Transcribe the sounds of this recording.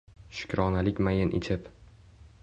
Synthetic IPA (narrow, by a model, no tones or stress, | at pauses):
ʃʊ̥kʲɾɒnalɪkʲmajɪnʔɪ̰t͡ʃʰɪp